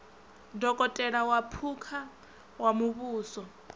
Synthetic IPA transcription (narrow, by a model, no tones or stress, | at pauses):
dɔkʼɔtʼɛɺawapʰukʰa | wamuβuːsɔ